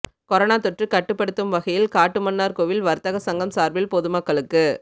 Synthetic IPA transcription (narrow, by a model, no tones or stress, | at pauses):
kɔɾɐnaːt̪ɔʈrɯkɐʈːɯpːɐɽɯt̪ːɯmʋɐɣɐjɪlkaːʈːɯmɐnːaːɾkoʋɪlʋɐɾt̪ɐɣɐsɐŋɡɐmsaːɾbɪlpɔðɯmɐkːɐɭɯkːɯ